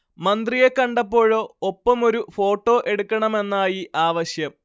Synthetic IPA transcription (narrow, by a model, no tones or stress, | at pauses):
mɐnd̪rije̞kːɐɳɖɐpːo̞ːɻo̞ːopːɐmo̞ɾufo̞ːʈːo̞ːʔe̞ɽukʲːɐɳɐme̞nːaːjiʔaːʋɐɕjɐm